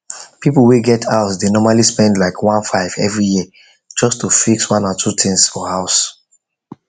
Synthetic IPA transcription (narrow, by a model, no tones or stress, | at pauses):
pipl̩ˠweɡɛtʰaʊsdenɔmalispɛ̃ndlaɪkʰwãnfaɪvɛvɹijiə | d͡ʒɔstufikswãnɔtʰutʰĩŋsfɔhaʊs